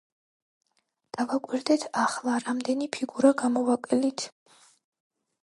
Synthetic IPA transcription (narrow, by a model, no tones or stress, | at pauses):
d̪̥avakʼwiɾd̪ɛt̪ʰaχlˠaɾamd̪ɛnipʰiɡuɾaɡamɔvakʼɛlit̪ʰ